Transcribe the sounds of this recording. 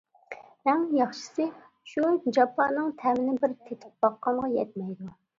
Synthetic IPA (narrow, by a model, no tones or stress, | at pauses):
mɛŋjɑχʃɨ̥sɨ | ʃud͡ʒɑpʰɑnːɨŋt̪ʰɛmɪnɪbɪɾt̪ʰet̪ʰɪ̥p̚b̥ɑqːɑɴʁɑjɛt̪̚mɛjd̪u